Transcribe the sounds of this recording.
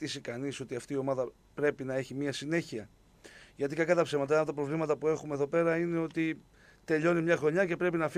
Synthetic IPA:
t̪isikɐniso̞t̪iɐft̪iːo̞mɐðɐ | pɾe̞pinɐe̞çimiɐsine̞çiɐ | ʝɐt̪ikɐkɐt̪ɐpsemɐt̪̬ɐɐt̪ɐpɾo̞vlimɐt̪ɐpue̞xume̞ðo̞pe̞ɾɐine̞o̞t̪i | t̪e̞ʎo̞nimɲɐxɾo̞ɲɐce̞pɾe̞pinɐf

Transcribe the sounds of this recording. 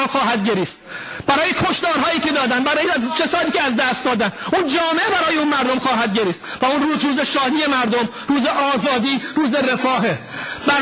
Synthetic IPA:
mxɒːɦæd̪ɟeɾiːst̪̚ | b̥æɾɒːjekʰo̞ʃd̪ɒːɾɦɒːjiːcʰe̞d̪ɒːd̪ænbæɾɒːjet͡ʃʰesɒːd̪iːcʰeæzd̪æst̪d̪ɒːd̪ænund͡ʒɒːme̞ʔebæɾɒːjeuːnmæɾd̪omxɒːɦæd̪ɟeɾiːst̪væunruːzɾuːzeʃɒːd̪iːje̞mæɾd̪om | ɾuːzeʔɒːzɒːd̪iːɾuːzeɾefɒːɦe | bæ

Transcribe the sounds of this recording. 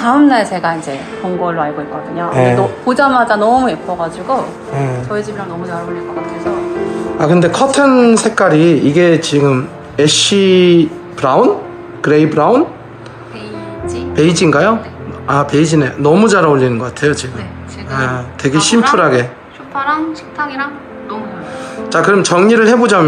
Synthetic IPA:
taɯmnaɭsʰe̞ɡaind͡ʑe̞ | koŋɡʌɭːoaɭɡoik͈ʌdɯɲojeedopod͡ʑamad͡ʑanʌmuipʰʌɡad͡ʑuɡo | jet͡ɕʌed͡ʑimiɾaŋnʌmut͡ɕaɾaoʎːiɭkʌk͈atʰesʰʌakɯnde̞kʰʌtʰɯnsʰe̞k͈aɾiiɡe̞t͡ɕiɡɯm | eɕ͈i | pɯɾaun | kɯɾe̞ibɯɾaun | pe̞id͡ʑiŋɡajoape̞id͡ʑinenʌmud͡ʑaɾaoʎːinɯnɡʌk͈atʰe̞jot͡ɕiɡɯm | etwe̞ɡe̞ɕʰimpʰuɾɦaɡe̞ | tʰ | t͡ɕakɯɾʌmt͡ɕʌŋɲiɾɯɭhe̞bod͡ʑamj

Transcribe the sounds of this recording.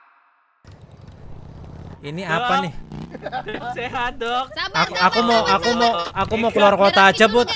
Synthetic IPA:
iniapanɪh | adɔkakuakumoʔakumoakumokulɔrkot̪ḁd͡ʒəbʊt̪̚

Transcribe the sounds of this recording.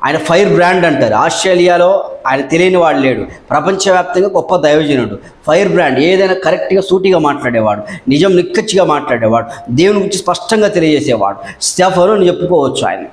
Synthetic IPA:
a̰ːjɐnɐpʰɐjɐɾbɾaːɳɖɐɳʈaːɾuaːsʈɾeːlijaːlo̞ːaːjɐnɐt̪elijinɐʋaːɽuleːɽupɾɐpɐɲt͡ʃɐʋjaːp̚t̪ɐŋɡaːɡɔpːɐd̪ɐjɔːd͡ʒɐnɐɽu | pʰɐjɐɾbɾaːɳɖeːeːd̪ɐjnaːkɐɾek̚ʈɡaːsuːʈiɡaːmaːʈlaːɽɛːʋa̰ːɽunid͡ʒɐmnikːɐt͡ʃːiɡaːmaːʈlaːɽeːʋaːɽud̪eːwunuɡuɲt͡ʃispɐʂʈɐŋɡaːt̪e̞lijɐd͡ʒeːsɛːʋa̰ːɽu | sʈaːpʰɐnuɐnit͡ʃe̞pːukɔːʋɐt͡ʃːua̰ːjɐ̰nɐ

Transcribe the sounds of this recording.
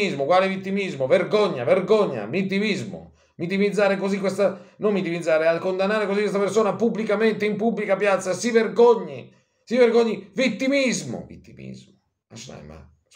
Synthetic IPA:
izmokwaːlevit̪ːimizmoverɡoɲːaverɡoɲːa̰mit̪̬ːimizmʊ̰ | mit̪ːimid̪zːaːɾekozikwest̪anommit̪ːimid̪zːaːɾeakond̪anːaːɾekozikːwest̪apersoːnapubːlikament̪eimpubːlikapjat̪sːasiverɡoɲːi | siverɡoɲːivit̪ːimizmʊ̰vḭt̪ːimḭzmʊ | a̰ʃna̰jma̰

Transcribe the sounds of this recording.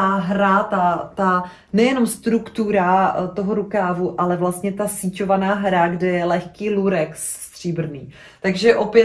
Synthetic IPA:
aɦɾat̪at̪a | nɛjɛno̞mst̪ɾukt̪uɾat̪o̞ɦoɾukaːvuʔalɛvlast̪ɲɛt̪asiːco̞vanaːɦɾaɡdɛjɛlɛxkiːluɾɛks | st̪r̝̥iːbr̩niː | t̪aɡʒɛʔo̞pjɛ

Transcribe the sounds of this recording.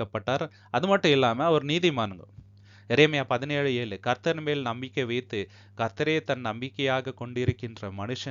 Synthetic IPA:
ɐpːɐʈːaːɾ | ɐðɯmɐʈːɯ̃ɪlːaːmɐʋɐɾɯniːðimaːnɯŋɡɐ | ɪɾeːmɐjaːpɐðɪneːɻɯeːɭɯkɐɾt̪ɐɾmeːlnɐmbɪkːɐʋɛɪt̪ːɯ | kɐɾt̪ːɐɾeːt̪ɐnnɐmbɪkːɐjaːɣɐkɔɳɖɪɾɯkːɪndrɐmɐnɯʂɐ

